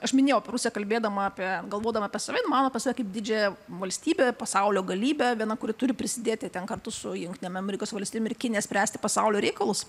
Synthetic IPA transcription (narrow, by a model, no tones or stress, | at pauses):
ɐʃmʲɪnʲeːjʊɐpʲɛɾʊsʲɪjɛkɐlʲbʲeːd̪ɐmɐɐpʲiɛɡɐlˠʋoːd̪ɐʋmɐːpʲɛsɐʋʲɛɪnmɑːnoɐpʲɛsɐʋʲɛkɐɪp̚d̪ʲɪd͡ʒʲɛjɛʋɐlʲsʲt̪ʲiːbʲeːpɐsɐʊlʲoːɡɐlʲiːbʲɛʋʲiɛnɐkʊɾʲɪt̪ʊɾʲɪpʲɾʲɪsʲɪd̪ʲeːt̪ʲɪt̪ʲɛnkɐrt̪ʊsʊjʊŋkt̪ʲɪnʲɛmɐmʲɛɾʲɪkoːsʋɐlʲst̪ʲijemɪɾkʲɪnʲɪjɛsʲpʲɾʲæːsʲt̪ʲɪ̥pɐsɐʊlʲoːɾʲɛɪkɐlˠʊs